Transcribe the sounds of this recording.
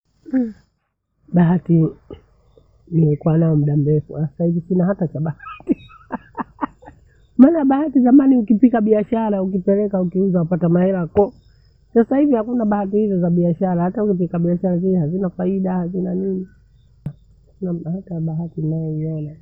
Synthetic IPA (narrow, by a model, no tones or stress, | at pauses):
ɓaɦati | nimɛkuwanaɔmuɗam̩ɾɛfṵaasahivisinahatat͡ʃaɓahati | maːnaaɓahatizamaniukipikaɓiaʃaɾaukipɛlɛkaukiuzaupatamahɛɾakɔ | sasahivihakunaɓahat̬ihizɔzaɓiaʃaɾahataukip̬ikaɓiaʃaɾaziɛhazinafaiɗahazinanini | kunaahataaɓaɦatinajɛiɔna